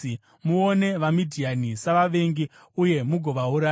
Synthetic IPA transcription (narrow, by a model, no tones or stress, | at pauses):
muone̞ʋamidʱianisaʋaʋe̞ŋɡi | uje̞muɡʱo̞ʋauɾaː